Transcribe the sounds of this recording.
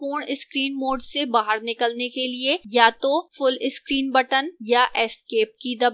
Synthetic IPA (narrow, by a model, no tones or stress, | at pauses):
oːɳɪskɾiːnmoːɖsebaːɦəɾnɪkəlnekeliejat̪ofʊlɪskɾiːnbɐʈənjaʔɛskeːp̚kid̪ɐb